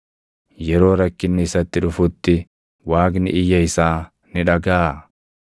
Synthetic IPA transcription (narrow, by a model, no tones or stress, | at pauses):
jɛɾo̞ːɾɐkːɪnːɪɪsɐt̪ːɪᶑʊfʊt̪ːɪ | waːɡnɪ̰ɪjːɐɪsaː | nɪᶑɐɡaː